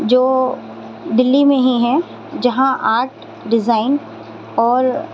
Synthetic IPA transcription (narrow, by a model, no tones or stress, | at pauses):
d͡ʒoː | d̪ɪlːimẽɦiɦɛ | d͡ʒɐɦãʔaːɾʈ | ɖɪzaːɪn | ɔːɾ